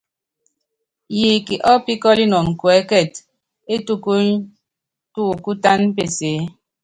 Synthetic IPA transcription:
ji˨ki˨ʔɔ˦pi˦kɔ˦li˦nɔ˨ŋ˨kwɛ˨˦kɛ˦˨t | e˦tu˦ku˦ | tu˦˨ku˦ta˦n˦pe˦˨seː˨˦

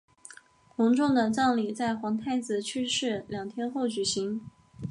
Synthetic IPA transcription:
kʰʊ˧˥ŋʈ͡ʂʊ˥˩ŋd̪ə˨˩ʈ͡ʂɑ˥˩ŋli˨˩t͡sa˥˩ɪxwɑ˧˥ŋt̪ʰa˥˩ɪt͡sɹ̩˨˩t͡ɕʰy˥ʂɻ̩˥˩ljɑ˨˩ŋt̪ʰjɛ˥nxo˥˩ʊt͡ɕy˨˩ɕi˧˥ŋ

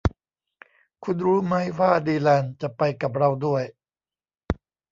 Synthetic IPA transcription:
kʰu˧nɾuː˦˥ma˦˥jwaː˥˩diː˧lɛː˧˩nt͡ɕa˨˩pa˧jka˨˩p̚ɾa˧wdu˥˩əj

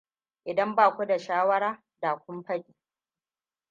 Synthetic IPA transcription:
ʔɪ˨dɐ˦mbaː˨kʷu˦da˨ʃaː˦wɐ˦ɾaː˦ | daː˨kʷʊ˦mɸɐ˦kʲiː˨

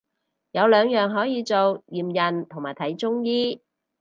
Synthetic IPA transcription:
jɐ˨˧wlœː˨˧ŋjœː˨˩ŋɦɔː˨˥jiː˨˧t͡so˨wjiː˨mjɐ˨˩nt̪ʰʊ˨˩ŋmaː˨˩jt̪ʰɐ˨˥jt͡sʊ˥ŋjiː˥

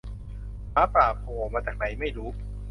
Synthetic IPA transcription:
maː˨˦˥pɾaː˨˩p̚hoː˨˩˦maː˧t͡ɕaː˨˩k̚na˩˦jma˥˩jɾuː˦˥

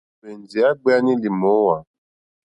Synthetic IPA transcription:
be˨n˨d͡zi˨a˦ɡ͡be˦a˦ni˦li˨mɔ˨˦wa˨

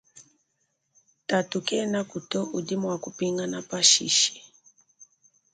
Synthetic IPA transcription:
ta˨tu˨kɛ˦na˦ku˨tɔ˦u˨di˦mɔwa˨ku˨pi˦ŋɡa˦na˦pa˦ʃḭ˨ʃi̥˨

